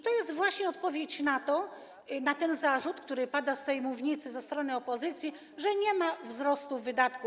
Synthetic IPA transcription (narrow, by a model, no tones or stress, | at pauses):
it̪ɔjɛst̪vwaɕɲɛɔt̪pɔvʲjet͡ɕnat̪ɔ | nat̪ɛnzaʐut̪kt̪uɾɘpad̪ast̪ɛjmuvɲit̪sɘzɛst̪ɾɔnɘɔpɔzɘt̪sʲji | ʐɛɲɛmavzɾɔst̪uːɘd̪at̪ku